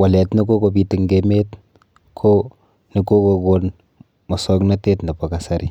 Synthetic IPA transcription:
wa˨lɛ˨tni˦ko˦ko˨p̬i˨ti˨ŋɡeme˦t | kʰo˦ | ni˦ko˦ko˨kon | mɔ˨sɔ˦kna˦te˦tna˨pa˨ka˨sa˦ɾi˦

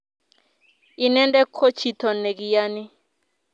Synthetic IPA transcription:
i˨nɛ˦ndʼɛ˦kʰo˦t͡ʃʰi˨tʰɔ˨ne˨k̬i˨jaː˦ni˦

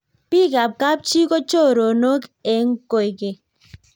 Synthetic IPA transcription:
pi˦ka˨b̚ka˦p̚t͡ʃi˦ko˦t͡ʃo˦˨ɾo˨no˦ke˨ŋko˨i˨ke˨

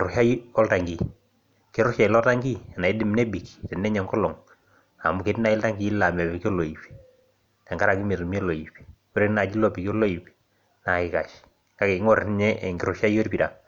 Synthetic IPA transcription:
ɾʊ˨ʃa˦jɔ˦lta˨ŋɡi˨ | ke˨˦ɾʊ˦ʃa˨ɪ˨lɔ˦ta˦ŋɡi˦˨na˨i˦dɪ˨m˦ne˦bi˨ki̥tɛ˨nːɛ˦ɲɛ˨ŋkɔ˦lɔ˨ŋ | a̰˨mu˦ke˨˦tna˨ɪ˦lta˦ŋɡi˨˦la˨mɛ˨pi˨ki˦ɔ˦lo˨i˨pi̥˨ | ta˨ŋɡa˦ɾa˨ki˦me˨tu˨mi˦ɛ˦lo˨i˨pi̥˨ | o˦ɾe˦na˨d͡ʒi˦lɔ˦pi˨ki˦ɔ˦lo˦i˨pi̥˨ | na˨kɪ˦ka˨ʃ | ka˦ke˨˦ŋɔ˦ɾn˦ɲɛ˦˨ŋɡɪ˨ɾʊ˨ʃa˦i˦o˦ɾpi˨da˨

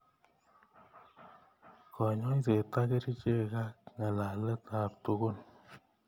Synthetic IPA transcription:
kʰɔ˨ɲɔ˦i˦s̬e˨ta˦ke˦ɾi˦t͡ʃe˦˨ka˦k̚ŋa˨la˨lɛ˦ta˨p̚to˧ko˦n

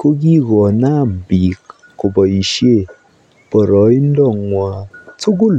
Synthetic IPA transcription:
ko˦ɡi˦ɡɔ˨na˦˨m̩˨bi˨kː | kʊ˨bɔ˨i˨ʃje˦˨ | b̥ɔ˨ɾɔ˨˦i˦n˦dɔ˦˨ŋwa˨tu˦ɡu˦l

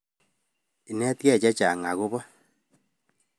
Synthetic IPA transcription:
i˨nɛ˦tjɛ˦˨t͡ʃɛ˦t͡ʃa˨ŋa˨ɣo˦βɔ˦

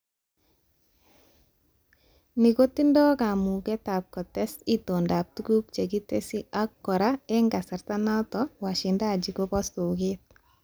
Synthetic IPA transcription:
ni˨ko˦ti˦ndɔ˦ka˨mu˨ɡɛ˦ta˨p̚kɔ˨tɛ˦si˦to˨nda˨p̚tu˦ɡu˦pt͡ʃe˨ɡi˦te˦si˦a˦kːɔ˨ɾa˦ɛ˦ŋɡa˨sa˨ɾta˦na˦tɔ˦wa˨ʃi˨nda˦˨d͡ʒi˨ko˦bɔ˦so˨ɡet̪̚

